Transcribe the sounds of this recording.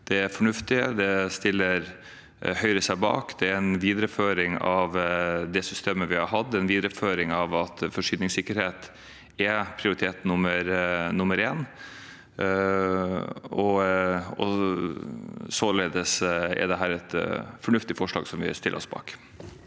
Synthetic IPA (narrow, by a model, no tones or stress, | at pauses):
d̪̥ɛæfɔɳʉft̪ɪd̪ɛst̪ɪlːəɾ | hœʏɾəsæɪbɑ̰ːkd̪̥ɛæɛnʋiːd̪ɾəføːɾɪŋɑʋd̪ɛsʏst̪eːməʋɪhɑɾɦɑd̪ːɛnʋiːd̪ɾəføːɾɪŋɑʋɑt̪fɔʂyːd̪nɪŋsɪkːəɾheːt̪ | ɛpʰɾɪʊɾɪt̪ʰeːt̪nʊməɾnʊməɾeːn | ɔ | ɔ̰ | soleːd̪əsɛ̰d̪ɛɦæːɾɛt̪fɔɳʉft̪ɪfɔʂɭɑ̰ːɡsɔmʋɪ̰st̪ɪlːə̰ɾɔ̰sbɑ̰ːk